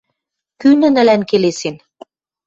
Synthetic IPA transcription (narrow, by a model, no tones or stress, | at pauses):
kynə̆nə̆lænkelesen